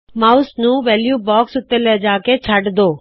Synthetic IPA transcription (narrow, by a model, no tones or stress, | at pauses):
maːʊsnũːʋɛːljuːbɔːksʊt̪elɛd͡ʑaːket͡ɕʰaʈd̪oː